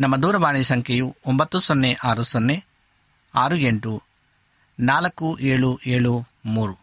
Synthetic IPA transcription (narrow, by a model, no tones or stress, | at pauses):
nɐmːɐd̪uːɾɐʋaːɳisɐŋkʰɐjuombɐt̪ːusonːeʔaːɾusonːe | aːɾueɳʈu | naːlɐkuʔeːɭuʔeːɭumuːɾu